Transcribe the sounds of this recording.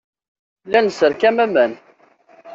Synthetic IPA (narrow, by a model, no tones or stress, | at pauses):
lænəsəɾkæmæmæn